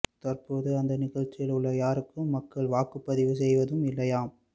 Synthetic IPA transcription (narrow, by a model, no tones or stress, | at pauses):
t̪ɐrpoːðɯɐnd̪ɐnɪɣɐɻt͡ʃːɪjɪlɯɭːɐjaːɾɯkːɯmːɐkːɐɭʋaːkɯpːɐðɪʋɯs̬ɛjʋɐðɯmɪlːɐjaːm